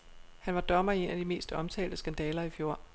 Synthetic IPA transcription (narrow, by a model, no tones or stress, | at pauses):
hænʋɑ̈d̥ɒ̽mɐe̝̰næd̥ime̝̰ːsd̥ɒ̽mt͡sʰɛ̰ːld̥əsɡ̥ænd̥ɛːlɐifjo̝ɐ̰